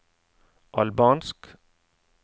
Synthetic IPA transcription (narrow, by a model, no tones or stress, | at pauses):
ʔɑlbɑːnsk